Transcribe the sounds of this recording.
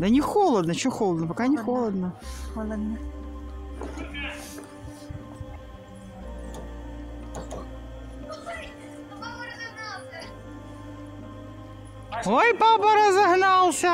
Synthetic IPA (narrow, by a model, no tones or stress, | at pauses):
d̪ɐnʲɪxolˠɐd̪nɐt͡ɕoxolˠəd̪nɐpɐkanʲɪxolˠɐd̪nɐ | ojpapɐɾɐzɐɦnɑlˠsʲɐ